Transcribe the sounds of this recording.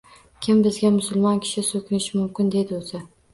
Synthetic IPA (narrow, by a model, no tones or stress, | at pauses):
kʲʰɪmbɪzɡʲamʊsʊlˠmɒnkʲʰɪ̥ʃɪsokʲʰɪnɪʃɪmʊmkʲɪnd̪e̞d̪ɪozɪ